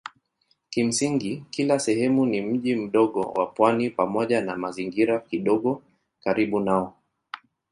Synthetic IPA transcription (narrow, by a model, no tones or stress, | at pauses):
kim̩siŋɡikilasɛhɛmunim̩ʄim̩ɗɔɠɔ̰wa̰pwanipamɔʄanamaziŋɡiɾakiɗɔɠɔ | kaɾiɓunaɔ